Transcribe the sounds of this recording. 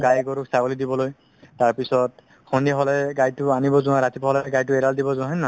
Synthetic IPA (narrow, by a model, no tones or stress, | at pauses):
ɡajɡɔɹuksaɡolidibɔloj | taɹpisɔt | xɔndiaɦɔlɛɡajtʊanibɔzʊãɹatipɔɦɔlɛɡajtʊɛɾaldibɔzʊ̃ãɦɛnːa